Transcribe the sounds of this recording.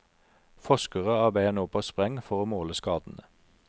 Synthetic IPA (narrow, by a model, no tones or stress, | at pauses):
fɔʃkəʁəɑːbeːɛnuːpʰoːspʁɛŋfɔʁoːmoːləskɑːd̪n̩ə